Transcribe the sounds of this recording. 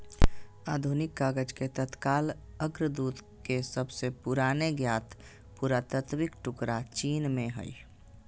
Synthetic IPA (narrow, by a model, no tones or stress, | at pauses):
aːd̪ʱunɪkːaːɡəd͡ʒket̪ət̪kaːl | əɡɾəd̪uːd̪ | kesəbsepʊɾaːneɡjaːt̪ | puɾat̪ət̪ʰwɪkʈʊkɾat͡ʃiːnmẽɦə̰ḭ